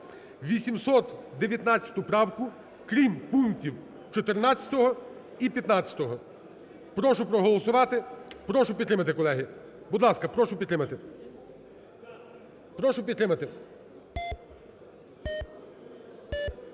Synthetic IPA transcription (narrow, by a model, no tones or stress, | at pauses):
ʋʲisʲimsɔt̪d̪eʋʲjɐt̪nɑt̪t͡sʲːɐ̥t̪ʊpɾɑwkʊ | kɾʲimpuŋktʲiw | t͡ʃɔt̪ernɑtt͡sʲɐ̥t̪ɔɦɔ | ipʲjɐt̪nɑt͡sʲɐ̥t̪ɔɦɔ | pɾɔʃʊpɾɔɦɔlˠɔsʊʋɑt̪ɪpɾɔʃʊpʲt̪ɾɪmɐt̪ɪkɔlˠɛɦɪ | bʊd̪lˠɑskɐpɾɔʃʊpʲit̪ːɾɪmɐt̪ɪ | pɾɔʃʊpʲid̪t̪ɾɪmɐt̪ɪ